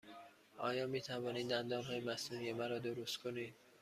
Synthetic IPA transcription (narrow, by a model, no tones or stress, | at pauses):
ʔɒ̰ːjɒːmiːt̪ʰævɒːniːd̪d̪ænd̪ɒːnɦɒːjemæsnuːnije̞mæɾɒːd̪oɾost̪kʰo̞niːd̪̥